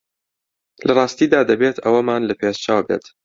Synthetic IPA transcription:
lɐrˤɑːst̪iːd̪aːd̪ɐbeːt̪ʰɐwɐmaːnlɐpʰeːʃt͡ʃaːwbḛːt̪

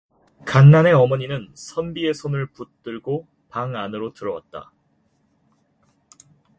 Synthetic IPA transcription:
kanːane̞ʌmʌɲinɯnsʰʌnbie̞sʰonɯɭput͈ɯɭɡo | paŋanɯɾotɯɾʌwa̰t̚t͈a̰

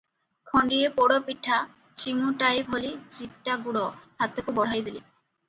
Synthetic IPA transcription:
kʰɔɳɖiepoɽopiʈʰa | t͡ɕiŋuʈajbʱolit͡ɕitʈːaɡuɽɔɦat̪okubɔɽ̤ajd̪ili

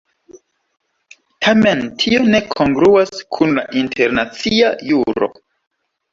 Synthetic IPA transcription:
tʰame̞ntʰio̞ne̞kʰoŋɡɾuaskʰunla̰ʔintʰe̞ɾnat͡siajuɾo̞̰

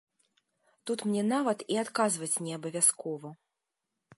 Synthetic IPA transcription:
t̪ut̪mnʲɛnavɐt̪iat̪kazvɐt͡sʲnʲɛɐbɐvʲaskɔvɐ

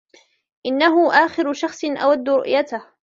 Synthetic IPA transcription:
ʔɪnːaɦʊʔaːxɪɾʊʃɑxsˤɪnʔa̰wad̪ːʊɾʊ̰ʔjat̪ah

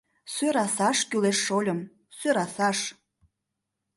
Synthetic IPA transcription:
søɾɑsɑʃkyleʃːolʲə̆m | søɾɑsɑʃ

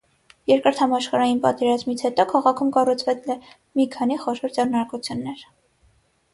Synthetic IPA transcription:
jɛɾkəɾt̪ʰhɑmɑʃχɑɾɑjinpɑ̰t̪ɛɾɑzmit͡sʰhɛt̪ɔkʰɑʁɑkʰumkɑrut͡sʰvɛt͡slɛ | mikʰɑniχɔʃɔɾd͡zɛrnɑɾkut͡sʰjunːɛɾ

